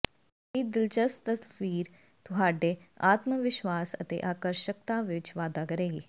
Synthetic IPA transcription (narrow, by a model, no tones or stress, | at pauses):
iːd̪ɪlt͡ʃəst̪əsfiːɾ | t̪ʊɦaːɖeːaːt̪məʋɪʃwaːsə̰t̪ḛːʔaːkəɾʃək̚t̪ãːʋɪt͡ʃʋaːd̪aːkəɾeːɡiː